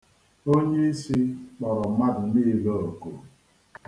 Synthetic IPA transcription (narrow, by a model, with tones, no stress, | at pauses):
o˦ɲe˦i˦si˦k͡pɔ˨ɾɔ˨˦ma˦dʊ˨ni˦lo˨o˨ko̰˨